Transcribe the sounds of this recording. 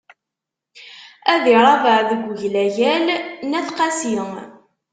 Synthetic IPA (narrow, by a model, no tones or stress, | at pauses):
æðiɾˤɑvəʕðəɡʷːəʝlæjælnæθqɑsi